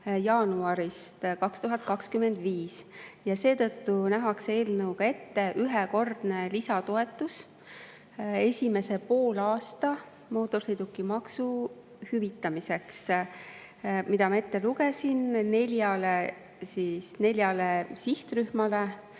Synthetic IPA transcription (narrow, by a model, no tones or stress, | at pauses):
jɑːnuɑɾist̪kɑkst̪uɦɑt̪̚ˑkɑkskymːe̞nd̪viːsjɑse̞ːt̪ɤ̞t̪ːunæɦɑksee̞ːlnɤwkɑe̞t̪ːe̞ʔyɦɛko̞rd̪̥ne̞lisɑt̪o̞e̞t̪ːˑus | e̞sʲime̞se̞po̞ːlɑːst̪ɑ | mo̞ːt̪ːˑo̞rsejd̪ukːˑimɑksu | hyvit̪ːˑɑmise̞ks | mid̪ɑmɑe̞t̪ːe̞luke̞sinne̞lʲjɑle | sisne̞lʲjɑlesiht̪ryhmɑle